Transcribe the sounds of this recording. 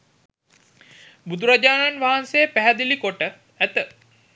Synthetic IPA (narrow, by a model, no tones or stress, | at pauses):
bud̪uɾad͡ʒaːnanʋaɦansejəpæɦæd̪ilikoʈə | æt̪ə